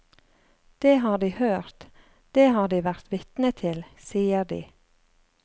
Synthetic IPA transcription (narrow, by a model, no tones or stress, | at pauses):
d̪̥eːhɑːɖiːhøːʁt̪ | d̪̥eːhɑːɖiːʋæʁt̪ʋɪt̪nət̪ʰɪlsiːəd̪ḭː